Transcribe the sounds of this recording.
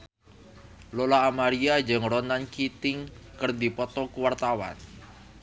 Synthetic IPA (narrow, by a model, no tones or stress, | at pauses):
lolaːmaɾiad͡ʒɨŋɾɔnankit̪ɪŋkərdipɔt̪ɔkuwart̪awa̰n